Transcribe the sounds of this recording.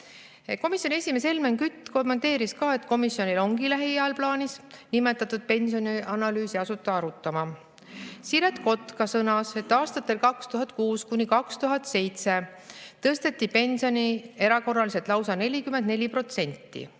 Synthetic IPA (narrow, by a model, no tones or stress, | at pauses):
ko̞misjonie̞sʲime̞se̞lmeŋkyt̪ːko̞mːent̪ːˑe̞ːɾiskɑːe̞t̪ko̞misjo̞nʲilo̞ŋɡilæɦijæɑlplɑːnʲisnime̞t̪ːˑɑt̪ːˑud̪̥̚pe̞nsioniʔɑnɑlyːsiɑsut̪ːˑɑɑɾut̪ːˑɑmɑ | siɾet̪ko̞t̪kɑsɤnɑse̞t̪ːˑɑːst̪ɑt̪ːˑe̞lkɑkst̪uɦɑt̪ˑkuːskunʲikɑkst̪uɦɑt̪se̞jt̪se̞ | t̪ɤst̪e̞t̪ːipe̞nʲsio̞nʲie̞ɾɑko̞rːɑliset̪ˑlɑwsɑne̞lʲikyme̞nd̪̚ne̞lʲipro̞t̪se̞nʲt̪ːḭ